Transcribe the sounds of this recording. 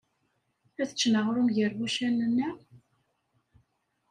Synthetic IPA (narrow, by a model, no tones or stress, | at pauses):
æθət͡ʃːnəʁɾumʝəɾwuʃænːənːæ